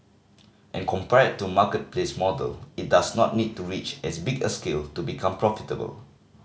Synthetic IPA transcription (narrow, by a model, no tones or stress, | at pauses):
ʔɛ̃nkʰɔ̃mpɛɹəd̚tːumakət̚plesmɔdə̰lit̚dasnɔt̚nid̚tuɹit͡ʃɛsbiɡəskeltubikʰãmpɹɔfitəbə̰l